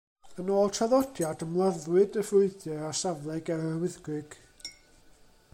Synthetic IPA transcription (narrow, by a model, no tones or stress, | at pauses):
ənoːlˠtʰaðɔdjadəmlˠaðwɨdəvrʊɨdjɛasavlˠɛɡɛɾəəwɪðɡwɨɡ̥